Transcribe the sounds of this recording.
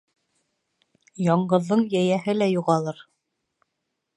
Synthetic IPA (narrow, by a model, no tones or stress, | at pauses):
jɑɴɢɤ̆ðːɤɴjæjæɦɘlæjuʁɑlˠɤɾ